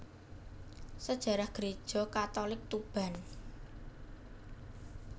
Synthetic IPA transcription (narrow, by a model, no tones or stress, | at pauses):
səd̥ʒ̥a̤ɾahɡ̥ɾed̥ʒ̥ɔ̤kat̪ɔlɪk̚t̪ub̥a̤n